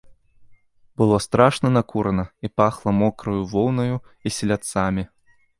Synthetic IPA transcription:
bɨlˠɔst̪ɾaʂnɐnakʰuɾɐnɐipaxlˠɐmɔkɾɐjuvɔlˠnɐju | isʲɛlʲat̪samʲi

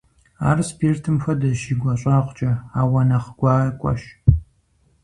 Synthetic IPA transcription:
aːrspʰirtʰɨmxʷɐdɐʃiːɡʷɐɕʼaːqʷt͡ʃʼɐaːwɐnɐχəɡ̥ʷɑːɐkʷʼɐ̰ʃ

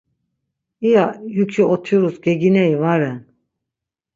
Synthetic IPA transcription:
ijajukʰiɔt̪ʰuɾusɡɛɡinɛivaɾɛn

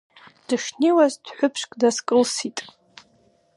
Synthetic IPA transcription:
d̥ɨʂniwazdħʷʊpʰʂkʼdaskʼɨlsitʼ

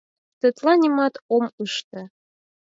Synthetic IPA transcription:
t̪ə̆t̪lɑnʲimɑt̪omuʃt̪ɤ

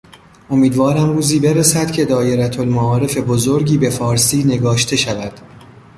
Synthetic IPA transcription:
ʔo̞miːd̪vɒːɾæmruːziːbe̞ɾesæd̪̥cʲʰe̞d̪ɒːje̞ɾæt̪ʰolmaɒːɾe̞fe̞bozo̞ɾɟiːbe̞fɒːɾsiːne̞ɡɒːʃt̪ʰe̞ʃævæd̪̥

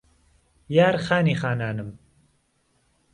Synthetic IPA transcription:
jaːɾxaːniːxaːnaːnɨm

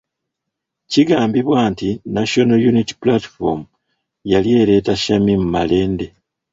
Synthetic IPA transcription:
ciɡaːmbiβwaːntinaʃonojuniti̥pulati̥fo̰mu | jalje̞ːɾe̞ːtaʃamimumale̞ːnde̞

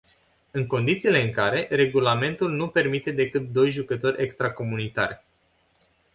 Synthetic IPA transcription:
ɨŋko̞nd̪it̪siːle̞ɨŋkaɾe̞re̞ɡulame̞nt̪ulnupe̞rmit̪e̞d̪e̞kɨt̪̚d̪o̞jʒukət̪o̞rʲʔe̞kst̪ɾako̞munit̪a̰rʲ

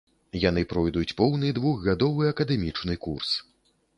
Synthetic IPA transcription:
janɨpɾɔjd̪ut͡sʲpɔwnɨd̪vuɣɣad̪ɔvɨɐkɐd̪ɛmʲit͡ʂnɨkurs

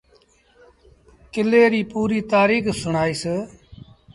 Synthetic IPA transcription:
kɪleːɾiːpuːɾiːt̪aːɾiːksʊɳaːiːseː

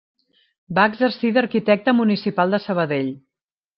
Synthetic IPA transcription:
baəɡzərsiðəɾkit̪ɛk̚t̪əmunisipalˠd̪əsəβ̞əðeʎ

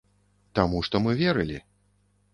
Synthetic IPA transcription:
t̪amuʂt̪ɔmɨvʲɛɾɨlʲḭ

